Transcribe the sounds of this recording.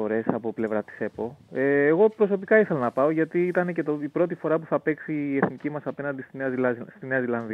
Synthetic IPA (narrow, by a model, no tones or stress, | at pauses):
o̞ɾe̞sɐpople̞vɾɐst̪i̥se̞po̞eːɣo̞pɾo̞so̞pikɐiθe̞lonɐpɐo̞ʝɐt̪iit̪ɐnecet̪oipɾo̞t̪ifo̞ɾɐpuθɐpe̞ksiːe̞θnicimɐsɐpe̞nɐnd̪ist̪ineɐzst̪ine̞ɐzilɐnði